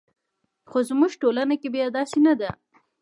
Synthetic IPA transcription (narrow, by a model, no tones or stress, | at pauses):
xozmuʒʈolanakebjad̪ɑsenad̪a